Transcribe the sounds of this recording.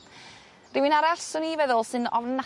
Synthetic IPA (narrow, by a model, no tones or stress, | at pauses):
rɪwɨnaɾaɬsʊnivɛðʊlˠsɨnɔvna